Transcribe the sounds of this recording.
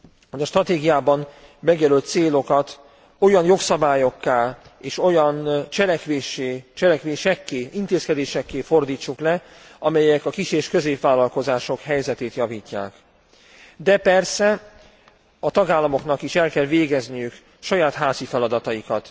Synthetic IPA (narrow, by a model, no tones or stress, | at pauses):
hodɛʃt̪rɒt̪eːɡijaːbɒn | mɛɡjɛlylt̪seːlo̞kɒt̪ | o̞jɒnjo̞ksɒbaːjo̞kːaːleːʃo̞jɒnt͡ʃɛlɛkʋeːʃeːt͡ʃɛlɛkʋeːʃɛkːeːʔint̪eːskɛd̪eːʃɛkːeːfo̞rd̪iːt͡ʃːuklɛ | ɒmɛjɛkɒkiʃeːʃkø̞zeːpvaːlːɒlko̞zaːʃo̞khɛjzɛt̪eːt̪jɒviːcːa̰ːk | d̪ɛpɛrsɛ | ɒt̪ɒɡaːlːɒmo̞knɒkiʃɛlkɛlveːɡɛznijyk | ʃɒjaːt̪ɦaːzifɛlɒd̪ɒt̪ɒjikɒt̪